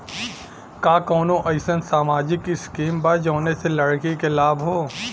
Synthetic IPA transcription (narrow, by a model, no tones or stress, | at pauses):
kaːkɔːnõʔɐɪsənsaːmaːd͡ʒɪkɪskiːmbad͡ʒõːneselɐɽkikelaːbɦoː